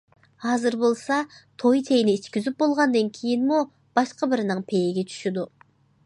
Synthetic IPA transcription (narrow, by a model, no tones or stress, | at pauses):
ɑːzɨɾbolˠsɑt̪ʰojt̪ʰejniːt͡ʃkʲyzyp̚bolˠʁɑnd̪ɑnkʲʰijinmu | b̥ɑʃqɑbɯɾɯnɨɴpʰejeɡʲet͡ʃʰy̥ʃyd̪u